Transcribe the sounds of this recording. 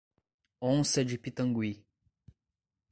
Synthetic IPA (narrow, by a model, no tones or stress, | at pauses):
õnsɛd͡ʒipit̪ɐ̃ŋɡwi